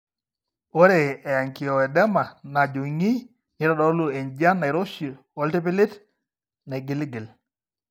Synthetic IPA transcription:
o˦ɾe˨ɛ˨a˨ŋkɪ˨ɔ˨ɛ˨dɛ˦ma˨na˨d͡ʒo˨ŋi˦ | ɲi˦ɾɔ˦dɔ˦lu˦˨e˨ɲd͡ʒa˦nːa˨ɪ˨ɾo˦ʃi˨ | ɔ˨lti˦pi˦lɪ˦t | na˨ɡi˨li˦ɡɪ˨l

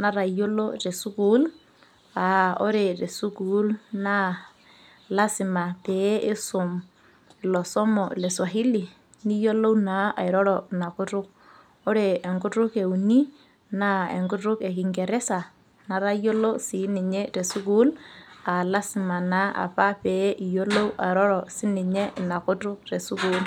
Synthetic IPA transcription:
na˨ɾa˨jo˦lo˦ɾɛ˨su˦ku˦l | a˨ɔ˦ɾɛ˨ɾɛ˨su˦ku˨˦lna˦ | la˦sɪ˨ma˨tɛ˨˦ɪ˦sʊ˨m | lɔ˨sɔ˦mɔ˨lɛ˨swa˨ɦi˦li˨ | ni˦jo˦lo˦na˨˦ʔa̰˨ɪ˨ɾɔ˦ɾɔna˨kʊ˦ɾʊ˦k̚ | ɔ˦ɾɛː˨ŋɡʊ˦tʊ˦ke˨u˨ni˦ | na˦ɛ̰˨ŋɡʊ˦tʊ˦kɛ˨ki˨ŋɡɛ˨ɾɛ˦sa˨ | na˨ɾa˦jo˦lo˦si˨˦ni˨ɲɛ˦ɾɛ˨su˦ɡu˦la˨la˦sɪ˨ma˨na˨˦a̰˨pa˦pɛ˨˦ʔi˨jo˦lo˦wʔa̰˨ɾɔ˦ɾɔ˨si˦ni˨ɲɛ˦˨na˨kʊ˦tʊ˦k̚ɾɛ˨su˦kuː˦l

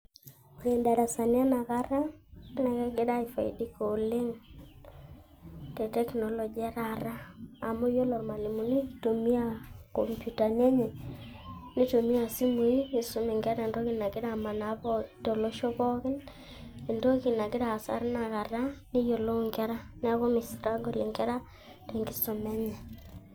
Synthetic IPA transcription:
o˨je˨nda˨ɾa˨sa˨nja˦na˨ɣa˨ɾa˦na˨kɛ˦ɡɪ˦da˦ɪ˨fa˨ḭ˨di˦ko˨lɪ˦ŋ | tɛ˨tɛ˦knɔ˨lɔ˨d͡ʒi˨a˦ɾa˨ɾa˦a˨mo˦jo˦lɔ˨ɾma˨li˨mu˨ni˦to˨mi˦a˦˨ko˨mpju˨ta˨n˦a˦ɲɛ˨ | nɪ˦to˨mi˦a˨si˦mu˨iː˦˨sʊ˦mɪ˨ŋɡɛ˦ɾa˦e˨ndo˦kɪ˨na˨ɡɪ˦ɾa˨ma˨na˨˦bɔ˦to˨lo˦ʃo˦bɔ˦kɪ˦n | e˨ndo˦kɪ˨na˨ɡɪ˦ɾa˨sa̰˦ɾna˨ka˨ɾa˦nɪ˦jo˨lo˦ŋɡɛ˦ɾa˦n˦a˦ɣo˦mɪ˨sɾa˦ɡo˨lɪ˨ŋɡɛ˦ɾa˦ | te˨ŋɡɪ˦sɔ˨mɛ˦ɲɛ˨

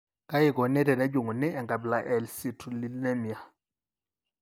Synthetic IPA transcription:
ka˦ji˦˨kɔ˨nɛ˦tɛ˨nɛ˦d͡ʒu˨ŋu˨nɛ˦ɛ˨ŋɡa˨bla˦ʔɛ˨lsi˦tu˨li˦lnɛ˦mi˨a˨

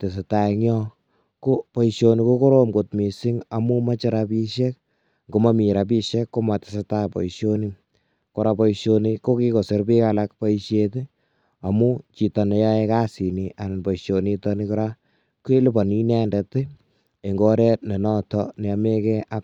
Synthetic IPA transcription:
te˨s̬e˨ta˨ɲɔ˦ | ko˦pɔ˦iʃo˧ni˧ko˦ko˦ɾo˦mɡo˨tmi˨si˦ŋa˨mu˦ma˦t͡ʃɪ˦ɾa˧pi˦ʃe˦k̚ | ɡo˨ma˦mi˨ɾa˨p̬i˦ʃe˦kːo˦ma˨te̥˨seta˦pɔ̰˨iʃo˦ni˦n | ko˨ɾa˧pɔ˦iʃo˧ni˧ko˦ki˦ko˨se˦ɾpi˦ka˨lak̚pa˦iʃeti | a˨mu˦t͡ʃi˨tɔ˨ne˨ja˦e˦ka˦si˨nia˨nnpɔ˨iʃo˨ni˦tɔni˦kɔ˦ɾa˦ | ku˦e˦li˦pɔ˨ni˦nɛ˦ndɛ˨tɪ˦ | e˨ŋɡo˦ɾe˦tne˨nɔ˦tɔnɛ˨a˨me˦kɛ˦ʔa˦

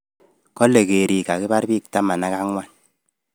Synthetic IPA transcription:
kɔ˦le˨ɣe˨ɾi˨ka˨ki˦ba˦ɾbi˦˨k̚ta˦ma˨na˦ka˦ŋwa˦˨n

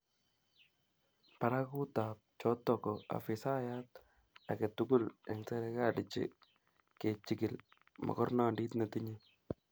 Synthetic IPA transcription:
pa˨ɾa˦ku˦ta˨p̚t͡ʃɔ˦tɔ˨kɔ˨a̰˨fɪ˨sa˦ja˦t̚ | a˨ke˨tukʊ˦lɛ˨ŋsɛ˦ɾɛ˦ka˦dɪt͡ʃḭ˨ | ke˨t͡ʃi˦kɪ˨l | mɔ̰˨kɔ˦rna˦ndi˦tna˨tɪ˦ɲi˦

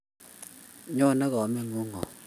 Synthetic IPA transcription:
ɲɔ˦˨na˦ɣɔ˨mɛ˦˨ŋo˦ŋɔ̰˨

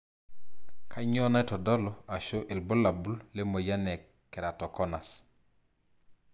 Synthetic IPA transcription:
kʰa˦ɲɔ˦na˦ɛ˦tɔ˨dɔ˦lɔ˨a˨ʃo˦ʔɪ˨lbo˦la˨bu˦lle˦mo˨ja˦nɛ˨ | kːɛ˨ɾa˨tɔ˨kɔ˦na˨s

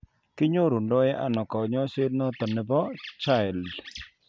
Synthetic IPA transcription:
kɪ˦ɲo˦ɾu˨ndɔ˦jɛ˦ʔa̰˨nɔ˨kɔ˨ɲɔ˦ʃe˦nɔ˦t̪ɔ˨nɪ˨bɔ˦t͡ʃa˦ɪ˨ld

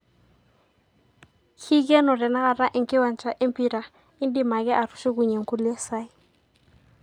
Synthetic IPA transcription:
kʰi˦ɡɛ˦nɔ˨ɾɛ˨na˦ɣa˨ɾa˦ʔɪ˦ŋkɪ˦wa˨n˨t͡ʃa˨ʔe˦mpi˨ɾa˨ | ɪ˦ndɪ˨ma˨ɡɛ˦ʔa˨ɾu˨ʃu˦ku˨ɲe˨ŋ˨ku˦li˦ɛ˦sa˦ɪ˦

